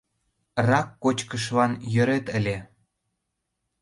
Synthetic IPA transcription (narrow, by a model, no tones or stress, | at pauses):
rɑkːot͡ɕkəʃ̬lɑnjø̆ɾet̪əlʲe